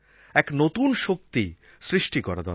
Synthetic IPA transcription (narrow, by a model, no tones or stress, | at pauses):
ɛknot̪unʃokt̪i | sɾiʃʈikɔɾad̪ɔ̰